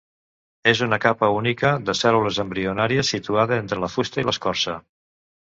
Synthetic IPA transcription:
ezunəkapəunikəðəsɛluləzəmbɾiunaɾiəsit̪uaðəent̪ɾələfust̪əiləskɔɾsə

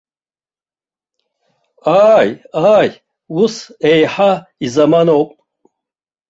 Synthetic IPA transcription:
aːjaːj | wusejħaizamanowpʼ

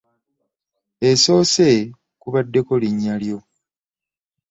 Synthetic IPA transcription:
eso̞ːse̞ | kuβadːe̞ko̞liɲːaljo̞

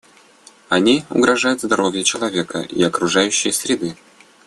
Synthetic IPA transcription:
ɐnʲiʊ̰ɡɾɐʐajʊt̪zd̪ɐɾo̞vʲjət͡ɕɪlˠɐvʲe̞kə̰ʔḭɐkɾʊʐajʉɕːɪjəsʲɾʲɪd̪ɨ

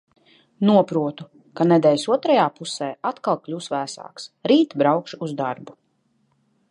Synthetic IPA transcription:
nuɔpɾuɔt̪u | kanɛd̪ɛːlʲsuɔt̪ɾajaːpusɛːʔat̪kalˠklʲuːsvæːsa̰ːksɾiːt̪bɾawkʃuuzd̪aɾbu

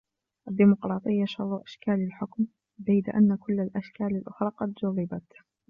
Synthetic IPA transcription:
ʔad̪ːimʊqɾˤɑːt̪ˤɨjːaʃɑrˤːuʔaʃkaːlalħʊkm | bajd̪a̰ʔanːakʊlːalʔaʃkaːlalʔʊxɾˤɑːqɑd̪d͡ʒʊrˤːɪbat̪

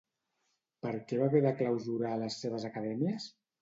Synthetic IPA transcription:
pəɾkɛβakeðakləwzuɾaːləsːeβ̞əzəkəðɛmiəs

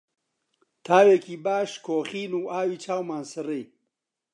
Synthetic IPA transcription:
t̪ʰaːweːkiːbaːʃkʰoːxiːnuːaːwiːt͡ʃʰaːwmaːnsɨɾij

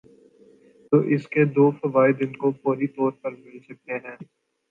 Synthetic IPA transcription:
t̪oːʔɪsked̪oːfɐʋaːid̪ɪnkofoːɾit̪ɔːɾpɐɾmɪlsɐk̚t̪eɦɛ̃ː

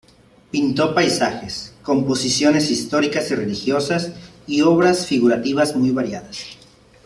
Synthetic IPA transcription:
pint̪o̞pajsaxesko̞mpo̞sisjo̞ne̞sist̪o̞ɾikasire̞lixjo̞sas | ioβɾasfiɣuɾat̪iβazmujβaɾjaðas

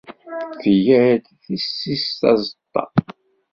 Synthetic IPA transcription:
θəjæɾd̪θisːist̪ɑzət̪ˤːɑ̰

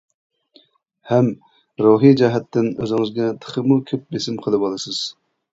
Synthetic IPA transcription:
hɛm | ɾuɦid͡ʒɛɦɛt̪ʰːɪnøzɪŋɨzɡʲɛt̪ʰə̥χʰəmukʲʰøp̚besɪmqʰəlˠɨbɑlˠɨsɨz̥

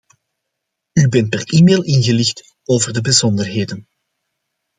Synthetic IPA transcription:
ybɛnt̚pɛriːmeːlˠɪnɣəlɪxt | oːvərdəbəzɔndərɦeːdən

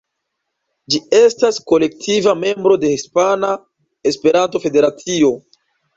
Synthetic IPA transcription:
d͡ʒie̞stasko̞le̞k̚tʰivame̞mbɾo̞de̞hispana | e̞spe̞ɾanto̞fe̞de̞ɾat͡sio̞

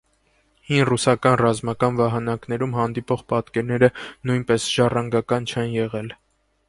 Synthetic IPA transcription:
hinrusɑkɑnrɑzmɑkɑnvɑɦɑnɑknɛɾumɦɑnd̪ipɔʁpɑt̪kɛɾnɛɾənujnpɛsʒ̥ɑrɑŋɡɑkɑnt͡ʃʰɛnjɛʁɛl

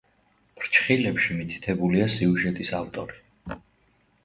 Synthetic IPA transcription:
b̥ɾt͡ʃʰχilɛpʃimit̪ʰi̥t̪ʰɛbuliasiuʒɛt̪ʼisavt̪ʼɔɾi

